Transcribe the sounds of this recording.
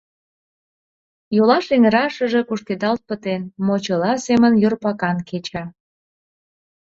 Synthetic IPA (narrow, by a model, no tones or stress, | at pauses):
jolɑʃeŋəɾɑʃəʒe̽kuʃked̪ɑlt̪̚pət̪enmot͡ɕəlɑsemənjorpɑkɑnket͡ɕɑ